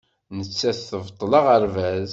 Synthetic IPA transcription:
nət͡sːæθθəvt̪ˤːlɑʁəɾvæz

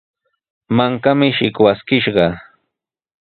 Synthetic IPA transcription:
maŋkamɪʃɪkwaskɪʃɢɑ

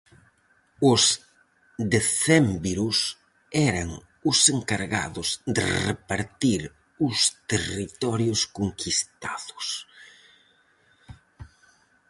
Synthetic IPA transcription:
ʊs | d̪eθɛmbiɾʊs | ɛɾɐŋ | ʊseŋkaɾɣa̰ðʊzd̪ɪ̰repaɾt̪iɾ | ʊst̪erit̪ɔɾjʊskoŋkʰist̪aðʊ̥s

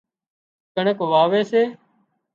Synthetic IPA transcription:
kəɳəkʋaːʋeːseː

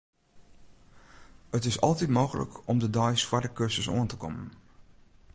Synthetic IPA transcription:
ətɪsɔ̰lˠtitmoːɣələ̰kɔmdədɔjsfwadəkøsəso̰əntəkɔmən

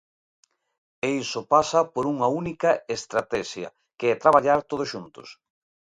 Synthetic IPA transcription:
eisopasɐpoɾuŋɐunikɐest̪ɾat̪ɛʃjɐ̰ | keɛt̪ɾaβ̞aʎaɾt̪oð̞osʃunt̪o̥̰s

